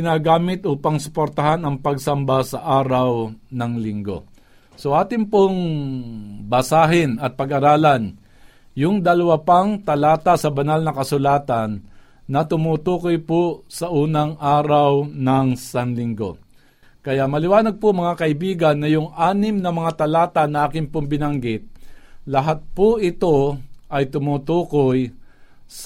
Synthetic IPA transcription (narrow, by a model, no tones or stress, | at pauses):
ɪnaːɡaːmɪt̪ʔuːpɐŋsʊ̥poɾt̪ɐɦanɐŋpɐɡsɐmbasɐʔaːɾawnɐŋlɪŋɡo̞̰ | so̞ʔaːt̪ɪŋpoŋ | bɐsaːɦɪnɐt̪̚pɐɡʔɐɾaːlɐn | jʊŋd̪ɐlɐwapaŋt̪ɐlaːt̪asɐbɐnalnɐkɐsʊlaːt̪anː | ɐt̪ʊmut̪uːkojposɐʔuːnɐŋʔaːɾawnɐŋsanlɪŋɡo̞̰ | kɐjaʔmɐlɪwaːnɐɡ̚pʊŋmɐŋakɐʔɪbiːɡɐnːɐjʊŋʔaːnɪmnɐmɐŋat̪ɐlaːt̪anɐʔaːkɪŋpʊŋbɪnaŋɡɪt̪̚lɐɦat̪̚pʊʔɪt̪o̞ʔɐjt̪ʊmuːt̪uːkoj | s